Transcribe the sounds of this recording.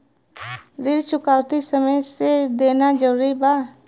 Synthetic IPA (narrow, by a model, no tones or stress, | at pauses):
ɾɪɾt͡ʃʰʊkaːʋt̪isəməjseːd̪eːnaːd͡ʒəɾuːɾiːbaː